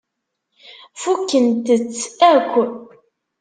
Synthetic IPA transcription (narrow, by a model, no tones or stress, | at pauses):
fukːənt̪ət͡sːæɾkʷːə